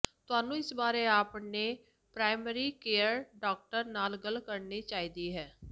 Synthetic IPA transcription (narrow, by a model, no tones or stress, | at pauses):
t̪ʊɦaːnũːɪsbaːɾeːaːpneː | pɾaːɪməɾiːkeːəɾɖaːk̚ʈəɾnaːlɡəlkəɾniːt͡ʃaːiːd̪iːɦɛː